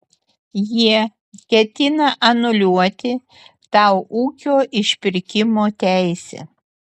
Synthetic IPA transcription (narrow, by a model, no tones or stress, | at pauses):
jiɛ | kʲɛt̪ʲɪnɐʔɐnʊlʲuɔt̪ʲɪ | t̪ɑˑʊʔuːkʲoːʔɪʃʲpʲɪɾʲkʲɪmoːt̪ʲæˑɪsʲɛ̰ː